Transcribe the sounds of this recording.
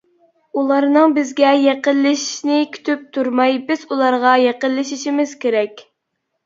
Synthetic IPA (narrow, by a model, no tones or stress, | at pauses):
ulˠɑɾnɨŋbɪzɡʲɛjɛqəlːɪʃi̥ʃʃnɪkʲʰy̥t̪ʰyp̚t̪ʰuɾmɑjbɪz̥ulˠɑɾʁɑjeqəlːɪʃiʃimɪz̥kʲʰeɾɛkʲ